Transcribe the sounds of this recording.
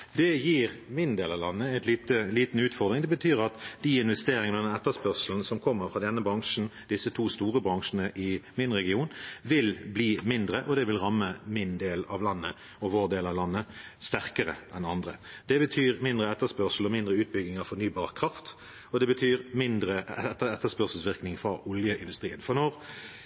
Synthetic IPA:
d̪ɛjiːʁmɪnd̪eːlɑʋlɑnːəɛɪt̪liːt̪əliːt̪n̩ʉːt̪fɔʁd̪ʁɪŋd̪ɛbət̪ʰyːʁɑt̪d̪̥iːɪnʋɛst̪eːɾɪŋənɔd̪ɛnɛt̪ːəspœʁsl̩n̩sɔmkʰɔmːəɾfʁɑd̪ɛnːəbɾɑŋʂn̩d̪̥ɪsət̪ʰuːst̪uːʁəbɾɑŋʂənəʔɪmɪnʁɛɡɪuːnʋɪlbliːmɪnd̪ɾəʔɔd̪ɛʋɪlʁɑmːəmɪnd̪eːlɑ̰ʋlɑnːə | ɔʋoːʁd̪eːlɑʋlɑnːəst̪æʁkəʁə̰ʔɛnɑnd̪ʁə̰d̪ɛbət̪ʰyːʁmɪnd̪ʁəɛt̪ːəspœʁsl̩ɔmɪnd̪ɾəʉːt̪̚bʏɡnɪŋɑʋfɔɾnyːbɑːʁkʰʁɑft̪ | ɔd̪ɛbət̪ʰyːʁmɪnd̪ɾəɛɛt̪ːəɛt̪ːəspœʁsəl̩sʋɪʁknɪŋfɾɑʔɔljəʔɪnd̪ʉst̪ʁiːənfɔʁnɔʁ

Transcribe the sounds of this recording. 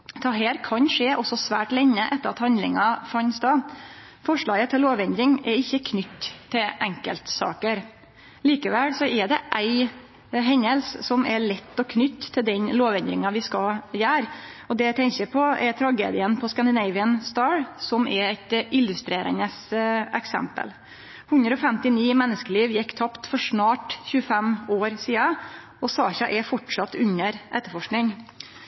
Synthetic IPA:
t̪ʰɑɦeːɾkʰɑnʂeːʔɔsːɔsʋæ̰ːʈlɛɲːəʔɛt̪ːəɾɑt̪hɑnd̪lɪ̰ŋɑfɑnsd̪ɑ | fɔʂɭɑːɡət̪ʰːɪlːoːʋɛnd̪ɾɪŋɛɾɪçːəkʰnʏt̪ʰːɪlʔɛŋkə̰lt̪sɑ̰ːkəɾ | liːkəʋɛlsɔɛɖɛʔæɪ | ɦɛɲːəlssɔmɛɭɛt̪ːɔkʰnʏt̪ːʰɪld̪ɛnloːʋɛnd̪ɾɪ̰ŋɑʋɪskɑljæːɾ | ɔd̪ɛt̪ʰɛŋkəpʰɔʔɛt̪ʰɾɑɡḛːd̪ɪənpʰɔskɑnd̪ɪnæɪʋɪənst̪ɑːɹsɔmɛɾæɪt̪ʔɪlːʉst̪ɾeːɾə̰nəsɛ̰ksɛ̰mpə̰l | hʉnd̪ɾəɔfɛmt̪ɪniːmɛnːəskəliːʋjɛkːt̪ʰɑpt̪fɔʂɳɑːʈçʉːəfɛmoːɾsiːɑ | ɔsɑ̰ːɕɑʔɛfɔʈʂɑt̪ːʉnːəɾʔɛ̰t̪ːəfɔʂknɪŋ

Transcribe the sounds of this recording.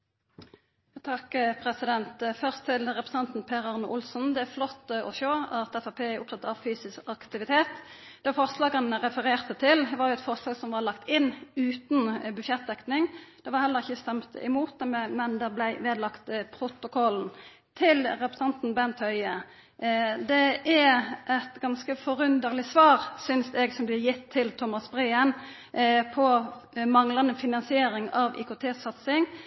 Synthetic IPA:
t̪ʰɑkpʰʁɛsɪd̪ɛnt̪fœʁst̪ʰɪlʁɛpɾə̥sɑnt̪n̩pʰeʁɑʁnʔʊlsn̩d̪ɛæɾflɔt̪ːɔʃoːɑt̪ɛfɑpʰeːæʊp̚t̪ʰɑt̪ɑʋfyːsɪskɑkt̪ɪʋɪt̪ʰeːt̪ | d̪̥ɛfɔʁslɑːɡənəʁɛfəɾeːʁt̪ət̪ʰɪlʋɑːʁjʊɛt̪fɔʁslɑːɡsɔmʋɑlɑkt̪ɪnʉːt̪nbʉʃjɛt̪̚d̪ɛknɪŋd̪̥ɛʋɑʁhɛlːəʁɪçːəst̪ɛmt̪ɪ̰muːt̪̚d̪ɛmɛmɛnd̪ɛblæɪʋeːd̪lɑkt̪pʰɾʊt̪ʊkʰɔln̩ | t̪ʰɪlɾɛpɾə̥st̪ɑnt̪n̩bɛnt̪hœʏə | d̪ɛæʔɛt̪ɡɑnskəfɔɾʉnd̪əɾlɪsʋɑːɾsʏnsɛɡsɔmblɪːjɪt̪ʰːɪlt̪ʰʊmɑsbɾæːən | pʰɔmɑŋlɑnəfɪnɑnsɪeːɾɪŋɑʋḭːkʊːt̪ʰeːssɑt̪sɪŋ

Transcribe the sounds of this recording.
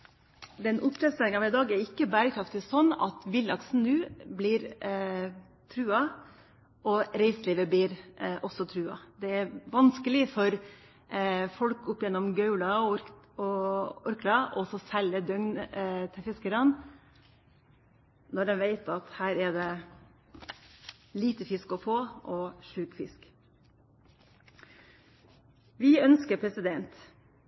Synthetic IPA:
d̪ɛnʔʊpːʰɾɛst̪ɛlɪŋɑʋɪd̪ɑːɡɛɾɪkːəbæːɾəkʰɾɑft̪ɪsɔnːɑ̰t̪ʋɪlːɑksn̩nʉːblɪɾ | t̪ʰɾʉːɑ | ʔɔɾɛɪsliːʋəblɪɾʔɔsːɔt̪ʰɾʉːɑ̰d̪ɛæɾʋɑnskəlɪfɔɾ | fɔlkʊpːjɛnːɔmɡœʉlɑɾ | ɔɔɾklɑʔɔsɔsɛləd̪œŋnt̪ʰɪfɪskəɾɑn | nɔɖ̪ɛnʋeɪt̪ɑt̪hæːɾɛd̪ɛ | liːt̪əfɪskɔfoːʔɔʂʉːkfɪsk | ʋɪœnskəɾpʰɾɛsɪd̪ɛnt̪

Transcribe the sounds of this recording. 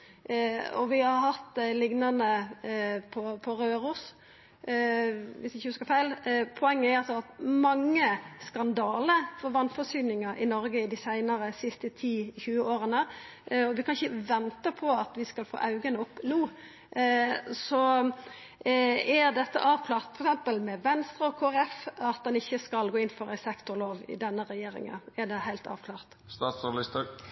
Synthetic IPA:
ɔ̰ʋɪɑɾhɑt̪ːlɪɡnɑnə | pʰɔpʰɔɾøːɾus | ʋɪsɪçːəhʉskɑfæɪlpʰɔɛŋːəæɾɑlsɔɑt̪mɑŋːəskɑnd̪ɑːləɾfɔɾʋɑnfɔsyːnɪŋɑʔɪnɔɾɡəɪd̪ɪsæɪnəɾəsɪst̪ət̪ʰiːçʉːəoːɾənəɔʋɪkʰɑnɪçəʋɛnt̪əpʰɔɑt̪ʋɪskɑlfo̰ːʔɑʉɡənɔpnuː | sɔ | æʁd̪ɛt̪ːə̰ʔɑːʋkʰlɑːʁt̪fɔɾɛksɛmpəlmɛʋɛnst̪ɾəɔkʰoːæɾɛfɑt̪̚d̪ɛnɪçːəskɑlɡoːɪnːfɔɾæɪsɛkt̪ʊloːʋɪ̰d̪ɛnːəɾɛjeːɾɪ̰ŋə̰næd̪ɛhæɪlt̪ɑ̰ːʋkʰlɑːʁt̪ | st̪ɑːt̪sʊnɑlɪst̪ə

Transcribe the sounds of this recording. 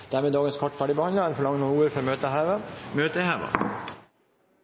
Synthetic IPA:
d̪̥æːɾmeːd̪ɑːɡənskʰɔʈːfæːɖibəhɑnd̪əɛnfɔɭɑŋənuːuːəɾfɔɾmøːt̪əæʋəmøːt̪əhæːʋɑ̰

